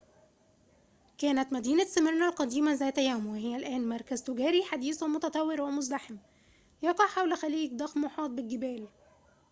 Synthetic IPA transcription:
kæːnæt̪mæd̪iːnæsæmeɾnælqɑd̪iːmæzæːt̪æjæːmweɦɪjːælʔæːnmɑɾˤkæzt̪oɡæːɾiħad̪iːswæmoʊt̪ɑt̪ˤɑwːeɾwemʊzlaħem | jɑqɑʕħawlxæliːk̚d̪ˤɑxmoħɑːt̪̚bɪlɡɪbæːl

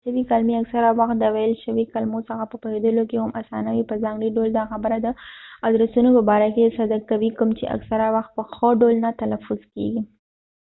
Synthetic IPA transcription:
ʃəwikalmiaksaɾawaxt̪̚d̪əwajəlʃəwikalmosəxapəpahed̪əlokehamʔasɑ̰nawipəzɑŋɡɽiɖold̪ɑxabəɾad̪əɑd̪ɾasunopəbɑɾakesad̪akawikəmt͡ʃeʔa̰ksaɾawaxt̪̚pəxəɖolnat̪alafʊz̥kḛɡi

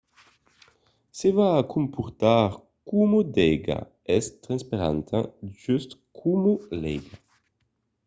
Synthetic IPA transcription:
sevaːkʰumpʰuʁt̪aʁ | kumod̪ɛɡa̰ | ɛst̪ʁãnspaʁa̰nt̪ʰãʒyst̪kʰumolɛɡa

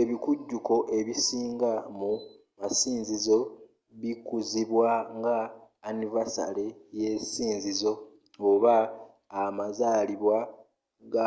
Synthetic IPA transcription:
eβikuɟːuko̞ʔe̞βisiːŋɡamumasiːnzizo̞ | βikuziβwaŋɡaː | nivasa̰leje̞siːnzizo̞ | oβaː | mazaːliβwa | ɡa

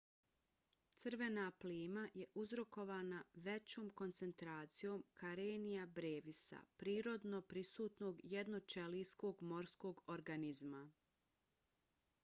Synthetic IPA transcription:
t̪sɨr̩ʋe̞napliːmajeʔuzɾo̞ko̞ʋaːnaʋe̞t͡ɕo̞ːmko̞nt̪se̞nt̪ɾaːt̪sijo̞ːmkaɾeːnijabɾeːʋisa̰pɾiːɾo̞d̪no̞pɾisuːt̪no̞ɡjed̪not͡ʃe̞lisko̞ːɡmo̞ɾsko̞ːɡoɾɡanizma

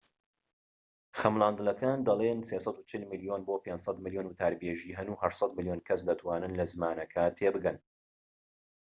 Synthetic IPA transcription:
xɐmlˠaːnd̪ɨlɐkʰaːnd̪ɐlˠeːnseːsˤɑd̪ut͡ʃʰɨlmɨlijoːnboːpeːnd͡ʒsɑt̪mɨlijoːnut̪ʰaːɾbeːʒiːɦɐnuːhɐʃsˤɑt̪̚mɨljoːnkʰɐs̬d̪ɐt̪ʰwaːnɨnlɐzɨmaːnɐkʰɐt̪ʰeːbɨɡɐn

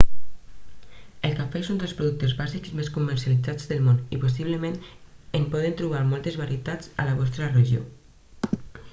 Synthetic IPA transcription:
elkafesund̪əlˠspɾuðuk̚t̪ezβaziksmeskuməɾsjalid͡zad͡zðəlmoniposiβ̞ləmenempɔð̞ent̪ɾuβ̞aɾmɔlˠt̪ezβaɾiet̪ad͡za̰laβɔst̪ɾəreʒio̰

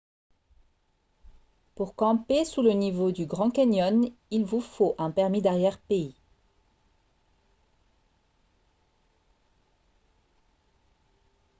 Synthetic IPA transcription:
puʁkɑ̃pesulənivod̪yɡʁɑ̃kaɲɔnilvufoʔɛ̃pɛʁmid̪aʁjɛʁpei

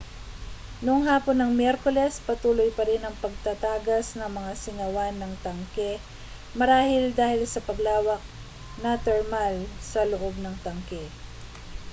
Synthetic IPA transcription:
nʊŋɦaːponːɐŋmjɛɾkolɛspɐt̪uːlojpɐɾɪnɐŋpɐɡ̚t̪ɐt̪aːɡɐsnɐŋmɐŋasɪŋɐwanːɐŋt̪ɐŋkɛ | mɐɾaːhɪld̪aːhɪlsɐpɐɡlaːwɐk̚ | nɐt̪ɛɹmalsɐlʊʔo̞b̚nɐŋt̪ɐŋkɛ

